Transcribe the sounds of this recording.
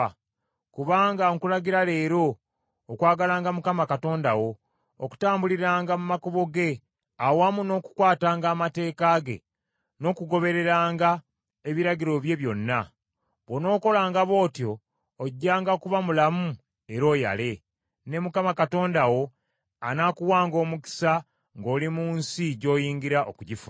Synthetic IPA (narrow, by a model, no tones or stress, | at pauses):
kuβaːŋɡaŋkulaɡiɾale̞ːɾo̞ː | kwaːɡalaːŋɡamukamakato̞ːndawo̞ː | ku̥taːmbuliɾaːŋɡamumakoβo̞ɡe̞ | awamuno̞ːku̥kwaːtaːŋɡaːmate̞ːkaɡe̞̰ | no̞ːkuɡo̞βe̞ɾe̞ɾaːŋɡa | e̞βiɾaɟiɾo̞βje̞βjo̞nːa | βono̞ːko̞laːŋɡaβo̞ːtjo̞ː | ɟːaːŋɡakuβamulamu | e̞ɾo̞ːja̰le̞ | ne̞mukamakato̞ːndawo̞ | a̰nakuwaːŋɡo̞ːmuki̥sa | ŋɡo̞ːlimuːnsiɟo̞ːjiːŋɡiɾaʔo̰kuɟifu